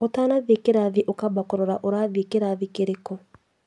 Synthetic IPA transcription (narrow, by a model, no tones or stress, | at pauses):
otanaðekeɾaðiʔokabakoɾɔɾaʔoɾaðekeɾaðikeɾeko